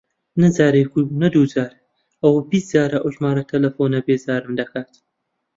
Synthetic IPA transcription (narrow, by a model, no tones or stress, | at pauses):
nɐzaːɾekunɐd̪uːzaːɾ | ɐwbisz̥aːɾɐʔowʒmaːɾɐt̪ʰɐlɐfoːnɐbeːzaːɾɨmd̪ɐkʰaːt̪